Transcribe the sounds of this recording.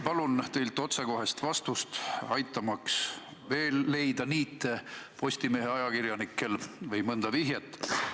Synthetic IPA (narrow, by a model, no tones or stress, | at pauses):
pɑlunt̪e̞jlt̪ːˑo̞t̪seko̞ɦe̞st̪vɑst̪ust̪ɑjt̪ːˑɑmɑks | ve̞ːlːe̞jd̪ɑniːt̪ːˑepo̞sʲt̪ime̞ːɦeɑjɑkirjɑnikːˑe̞lvɯjmɤnd̪̥ɑviɦjet̪ːˑ